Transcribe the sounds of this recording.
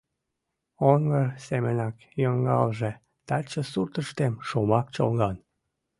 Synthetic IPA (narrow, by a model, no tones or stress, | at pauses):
oŋɡərsemənɑk | joŋɡɑlʒe | t̪ɑt͡ɕəsurt̪əʃt̪emʃomɑk̚t͡ɕo̰lɣɑn